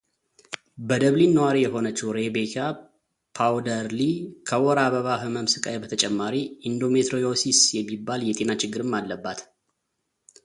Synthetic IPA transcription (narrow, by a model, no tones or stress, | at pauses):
bəd̪əβlinːəwaɾijɛɦo̞nət͡ʃːɛwɾebekʰa | pʰawd̪əɾlikʰəwɔɾaβəβahɨməmsɨkʼa̰jebət̪ʰət͡ʃʼɛmːaɾiind̪o̞met̪ɾojosisjɛmːibːaljɛt̪ʼe̞nat͡ʃɪɡːɨɾɨmːalːəbːat̪